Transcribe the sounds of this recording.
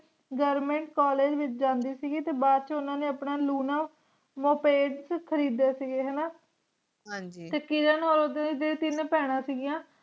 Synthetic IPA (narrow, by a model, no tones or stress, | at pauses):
ɡəɾmẽːɳʈkaːleːd͡ʒʋɪt͡ʃd͡ʒãːnd̪iːsiːɡiːt̪eːbaːd̪t͡ʃʊnãːneːəpɳaːluːnaː | moːpeːɖskʰəɾiːd̪eːsiːɡeːɦɛːnaː | ɦãːd͡ʒit̪eːkɪɾənɦoːɾoːd̪ãːd̪eːt̪ɪnpɛːɽ̃ãːsiːɡɪjãː